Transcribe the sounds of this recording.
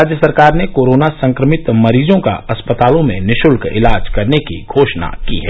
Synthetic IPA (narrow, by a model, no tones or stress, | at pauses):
aːd͡ʒjəsɐɾkaːɾnekoːɾoːnasɐ̃ŋkɾəmɪt̪mɐɾiːzõka̰ɐspət̪aːlõmẽnɪʃʊlkɪ̰laːd͡ʒkɐɾnekḭɡʱoːʃna̰kḭɦɛː